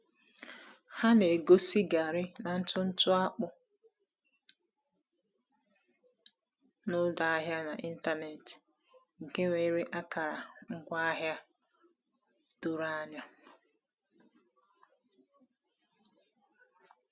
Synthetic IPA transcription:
ha˦ne˨ɡo˦si˦ɡa˨ɾɪ˦na˨n̩˦tʊ˦n̩˦tʊ˦a˦k͡pʊ˦ | nʊ˦da˨a˦ɦja˦na˨ʔi˦n̩˦ta˦ne˨ti̥˨ | ŋ̩˨ke˦ŋʷe˨˦ɾe˦ʔa˦ka˨ɾa˨ŋ̩˦ɡʷa˦ɦja˦ | tʊ˨ɾa˦nɔ˦

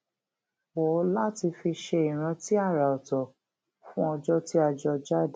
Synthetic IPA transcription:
wɔ˨˦la˦ti˧fi˧ʃe˧i˨ɾ̃ã˨˧˦ti˦a˦˨ɾa˨ɔ˨tɔ˨ | fũ˦ɔ˧d͡ʒɔ˦ti˦a˧˨d͡ʒɔ˧d͡ʒa˦d

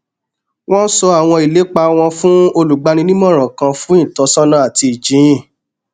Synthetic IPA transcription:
w̃ɔ̃˦n̩˦sɔ˧a˨w̃ɔ̃˧i˨le˨˦k͡pa˧w̃ɔ̃˧fũ˦o˧lu˨ɡ͡ba˨˧ñĩ˧nĩ˦mɔ̃˦˨ɾ̃ã˨kã˧fũ˦ĩ˦˨tɔ˨˦sã˦nã˦a˨ti˧i˨d͡ʒĩ˨˦ĩ˦˨

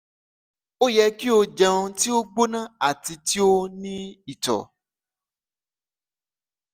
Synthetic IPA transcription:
o˦jɛ˧ki˦o˧d͡ʒã˧õ˧ti˦o˦ɡ͡bo˦nã˦˨a˨ti˧ti˦o˦nĩ˦i˨tɔ̰˨

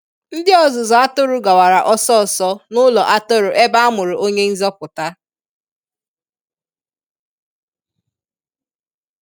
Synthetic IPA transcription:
n̩˦dɪ˦ɔ˨zʊ˨zɔ˨a˦to˦ɾʊ˦ɡa˨wa˨ɾa˨ʔɔ˦sɔ˦˨sɔ˦nʊ˦lɔ˨ʔa˦to˦ɾʊ˨ʔe˦ba˦a˦mʊ˨ɾʊ˨ʔo˦ɲe˦n̩˦zɔ˦pʊ˨ta˦

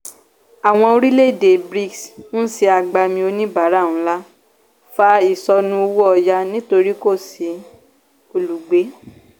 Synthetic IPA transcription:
a˨w̃ɔ̃˧o˧ɾi˦le˦˨de˨bɾi˦ksñ̩˦si˧a˨ɡ͡ba˧mĩ˧o˧nĩ˦ba˨˦ɾa˦˨ũ˨˦la˦ | fa˧i˦˨sɔ˧nũ˧o˧wu˦ɔ˧ja˧nĩ˦to˧ɾi˦ko˦˨si˨˦ | o˧lu˨ɡ͡be˨˦

